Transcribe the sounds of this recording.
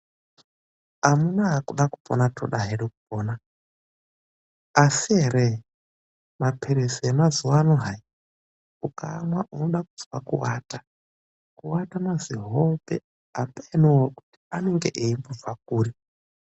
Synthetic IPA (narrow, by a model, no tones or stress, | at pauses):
amunaːkuɗakupʼo̰natʰo̰ɗaɦeɾeku̥poːna | asiɦeɾe | mapʰeɾesiemazuwaːnoɦai | uka̰ːmwaʔuno̞ɗakud͡zwakuwaːta | kuwatamaziɦopḛ | apainowoku̥ti̥ane̞ŋɡe̞ʔeimbuvwak̚uːri